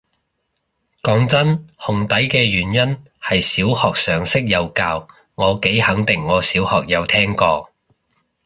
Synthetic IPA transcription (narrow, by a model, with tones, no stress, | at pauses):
kɔː˨˥ŋt͡sɐ˥nhʊ˨˩ŋt̪ɐ˨˥jkɛː˧jyː˨˩njɐ˥n | hɐ˨jsiː˨˥whɔː˨k̚sœː˨˩ŋsɪ˥k̚jɐ˨˧wkaː˧w | ŋɔː˨˧ke˨˥jhɐ˨˥ŋt̪ɪ˨ŋːɔː˨˧siː˨˥whɔː˨k̚jɐ˨˧wt̪ʰɛː˥ŋkɔː˧